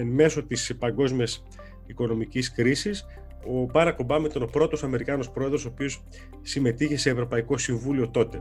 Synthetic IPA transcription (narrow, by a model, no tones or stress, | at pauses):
me̞so̞t̪ispɐŋɡo̞zmiɐs | iko̞no̞miciskɾisis | o̞bɐnɐko̞bɐmet̪ono̞pɾo̞t̪o̞sɐme̞ɾikɐno̞spɾo̞e̞ðɾo̞soːpio̞s | sime̞t̪içe̞se̞ːvɾo̞pɐiko̞siɱvulio̞t̪o̞t̪e̞